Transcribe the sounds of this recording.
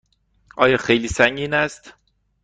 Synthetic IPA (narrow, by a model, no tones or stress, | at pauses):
ʔɒːjɒːxejliːsæŋɟiːnæst̪